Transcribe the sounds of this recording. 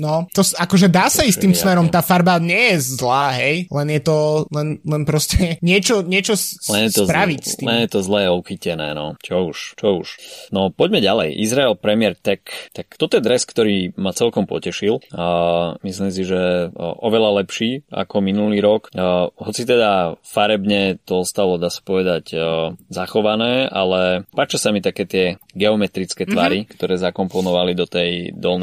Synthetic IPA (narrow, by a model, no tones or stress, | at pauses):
nɔt̪ɔsakɔʒɛd̪aːsaisiːmsmɛɾɔmt̪aːfaɾbaɲɪɛjɛzlaːɦɛjlɛnjɛt̪ɔlɛnlɛnpɾɔscɛɲɪɛt͡ʃɔɲɪɛt͡ʃɔslɛnjɛt̪ɔpɾaʋicst̪iɛnjɛt̪ɔzlɛːuxicɛnɛ̰ːnɔt͡ʃɔuʃt͡ʃɔuʃnɔpɔɟmɛɟalɛ̰jʔḭzɾaɛlpɾɛmɪɛɾt̪ɛkt̪ak̚t̪ɔt̪ɔjɛd̪ɾɛskt̪ɔɾiːmat͡sɛlkɔmpɔ̰cɛʃil | mislims̬iʒɛʔɔʋɛlalɛpʃiːa̰kɔminuliːɾɔkɦɔt͡sit̪ɛd̪afaɾɛbɲɛt̪ɔɔst̪alɔd̪aːsḁpɔʋɛd̪aɟzaxɔʋanɛːa̰lɛpaːt͡ʃasamit̪akɛːt̪ɪɛɡɛɔmɛt̪ɾit͡skɛːt̪ʋaɾikt̪ɔɾɛːzakɔmpɔnɔʋalid̪ɔt̪ɛjd̪ɔlnɛ